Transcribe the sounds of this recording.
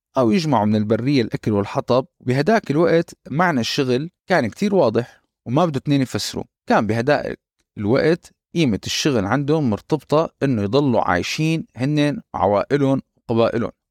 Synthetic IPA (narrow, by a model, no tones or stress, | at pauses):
ʔawjɪd͡ʒmaʕumɪnɪlbarːɪjːalʔakalwɪlħɑt̪ˤɑb̚bɪɦad̪aːkɪlwaʔt̪maʕnaʃːʊɣlkaːnkt̪iːɾwɑːd̪ˤɨħ | wmabɪd̪ut̪neːnjfasːɪɾṵ | kaːmbɪɦad̪aːʔɪ̰k̚ | ɪlwa̰ʔt̪ | ʔiːmɪt̪ɪʃːʊɣlʕand̪ʊmmʊɾt̪ɑbt̪ˤɑʔɪnːʊjd̪ˤɑlːṵʕa̰ːjʃiːnhɪnːewʕa̰waːʔɪlʊnwqɑbaːʔɪlʊ̰n